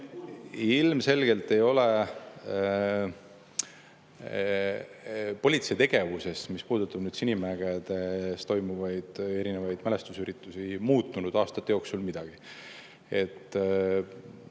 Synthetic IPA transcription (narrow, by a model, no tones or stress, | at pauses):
ilmse̞lɡ̥e̞lt̪ːe̞jo̞le | po̞lʲit̪siet̪e̞ɡ̥e̞vuse̞st̪mispuːd̪̥ut̪ːˑɑb̥nyːd̪̥sinʲimæɡ̥ed̪̥e̞st̪o̞jmuvɑjd̪̥e̞ɾinevɑjd̪̥mæle̞st̪usyɾit̪ːˑusimuːt̪ːunud̪̥ɑːst̪ɑt̪ˑːejoksulmid̪̥ɑɡ̥i | e̞t̪ːˑ